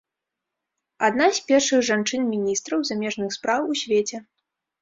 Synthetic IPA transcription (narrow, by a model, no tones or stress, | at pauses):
ad̪nasʲpʲɛrʂɨɣʐant͡ʂɨnmʲinʲist̪ɾɐwzamʲɛʐnɨxspɾawusʲvʲet͡sʲɛ